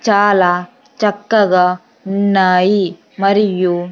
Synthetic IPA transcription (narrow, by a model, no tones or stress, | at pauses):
t͡ʃaːlaː | t͡ʃɐkːɐɡɐ | nːaːji | mɐɾiju